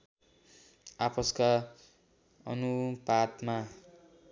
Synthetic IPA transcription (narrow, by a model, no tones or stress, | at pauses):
apʰʌska | ʌ̰nupad̪ma